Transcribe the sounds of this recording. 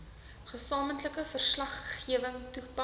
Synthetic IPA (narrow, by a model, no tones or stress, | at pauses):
χəsɑːməntləkəfərslɐχχiəvəŋtupɐ